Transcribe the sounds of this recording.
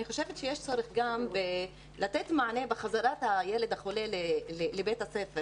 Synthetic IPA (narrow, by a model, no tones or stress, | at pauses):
aniχo̞ʃevet̪ʃejeʃt͡so̞ɾeχɡambe | lat̪et̪maʕanebeχazaɾat̪hajeled̪haχolelelelebet̪hasefe